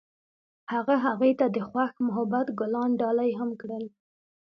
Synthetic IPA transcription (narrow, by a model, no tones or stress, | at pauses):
haɣaɦaɣujt̪ad̪əxwaxmʊɦabat̪ɡʊlɑnɖɑlajɦamkɽəl